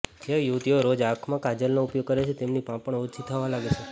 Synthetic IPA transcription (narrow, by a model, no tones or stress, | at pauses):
d͡ʒejuʋt̪ioɾod͡ʒakʰmãkad͡ʒəlnoupjoɡ̚kəɾet͡ʃʰet̪emnipãpəɳut͡ʃʰit̪ʰəʋãlaɡet͡ʃʰe